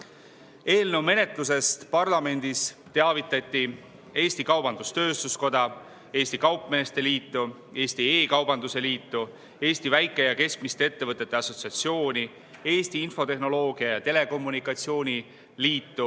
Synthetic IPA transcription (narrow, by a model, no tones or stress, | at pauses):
e̞ːlnewme̞ne̞t̪lus̬e̞st̪pɑrlɑme̞nʲd̪̥ist̪e̞ɑvit̪ːˑɑt̪ːˑi | e̞ːsʲt̪ikɑwb̥ɑnd̪̥ust̪ø̞ːst̪usko̞d̪̥ɑ | e̞ːsʲt̪ikɑwpme̞ːst̪e̞liːt̪ːu | e̞ːst̪ieːkɑwbɑnd̪use̞liːt̪ːu | e̞ːst̪ivæjkːˑe̞jɑke̞skmist̪e̞e̞t̪ːe̞vɤt̪ˑːe̞t̪ːeɑso̞t̪siɑt̪sio̞ːnʲi | e̞ːsʲt̪iinfo̞t̪e̞hno̞lo̞ːɡ̥iɑjɑt̪e̞le̞ko̞mːunikːˑɑt̪sio̞ːnʲi | liːt̪ːu